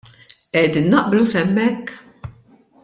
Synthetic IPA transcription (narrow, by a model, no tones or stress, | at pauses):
ʔɛːd̪inːɐʔblusɛmːɛkː